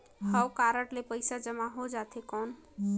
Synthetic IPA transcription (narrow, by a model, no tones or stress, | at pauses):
həwkaɾəʈlepəɪsad͡ʒəmaɦod͡ʒat̪ʰekɔn